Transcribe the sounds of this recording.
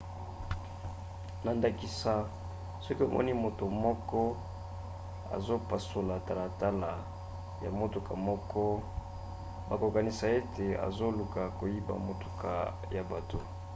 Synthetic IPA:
na˨nda˨ki˨sa˨ | sɔ˦ki˦o̰˨mʔɔ̰˦ni˦mo˨to˨mɔ˦kɔ˦ | a̰˨zo˦pa˨so˨la˨ta˨la˨ta˦la˨ | ja̰˨mo˨to˨ka˨mɔ˦kɔ˦ | ba˨ko˨ka˨ni˨sa˨e˦tʰe˨a̰˨zo˦lu˨ka˨ko˨ji˦ba̰˨mo˨to̥˨ka̰˨ | ja˨ba˨to˨

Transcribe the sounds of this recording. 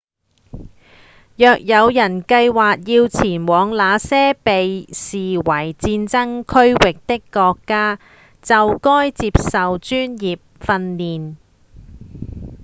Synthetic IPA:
jœː˨k̚jɐ˨˧wjɐ˨˩nkɐ˧jwaː˨k̚jiː˧wt͡sʰiː˨˩nwɔː˨˧ŋlaː˨˧sɛː˥pe˨jsiː˨wɐ˨˩jt͡siː˧nt͡sɐ˥ŋkʰɵ˥ɥwɪ˨k̚t̪ɪ˥kːɔː˧kːaː˥ | t͡sɐ˨wkɔː˥jt͡siː˧p̚sɐ˨wt͡ʃyː˥njiː˨p̚fɐ˧nːiː˨n

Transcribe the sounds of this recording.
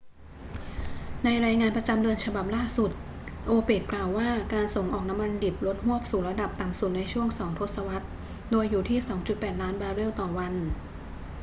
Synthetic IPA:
na˧jɾaː˧jŋaː˧npɾa˧t͡ɕa˧mdɯ˧ənt͡ɕʰa˧ba˨˩p̚laː˥˩su˨˩t̪̚ | ʔoː˧peː˨˩k̪̚klaː˨˩wːaː˥˩kaː˧nso˨˩ŋʔɔː˨˩k̚na˦˥mːa˧ndi˨˩p̚lo˦˥t̪̚hu˥˩əp̚suː˨˩˦nɾa˧da˨˩p̚t̪a˨˩msu˨˩t̪̚na˧jt͡ɕʰu˥˩əŋsɔː˩˦ŋt̪ʰo˦˥t̪̚sa˧wa˦˥t̪̚ | doː˧jːuː˨˩t̪ʰiː˥˩sɔː˩˦ŋt͡ɕu˨˩t̪̚pɛː˨˩t̪̚laː˦˥nbaː˧ɾe˥˩wt̪ɔː˨˩wa˧n

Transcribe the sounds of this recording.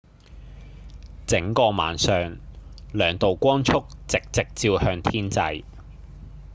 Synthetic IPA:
t͡sɪ˨˥ŋkɔː˧ma̰ː˨nsœː˨˧ŋlœː˨˩ŋt̪o˨wkʷɔː˥nt͡sʰʊ˥k̚t͡sɪ˨k̚t͡sɪ˨k̚t͡siː˧whœː˧ŋt̪ʰiː˥nt͡sɐ˧j

